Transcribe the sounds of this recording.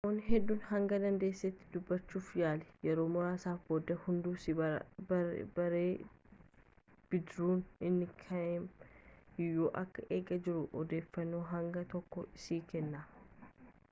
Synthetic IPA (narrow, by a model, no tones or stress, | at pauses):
ɐmoːnːɦɛd̪ːuːnhɐŋɡɐd̪ɐnd̪eːsːeːt̪ːɪd̪ʊbːɐt͡ʃːuːfjaːlɛ̥jɛɾo̞ːmʊɾaːsaːfboːd̪ːɐhʊnd̪uːsɐ | bɐɾeː | b̥ɪd̪ɾuːnɪnːɪkʰɐɛm | ɪjoːʔɐkːɐʔeːɡɐd͡ʒɪɾʊʔɔd̪e̞ːfːɐnːoːɦɐŋɡɐt̪ɔkːɔʔɪsiːkɛnːaː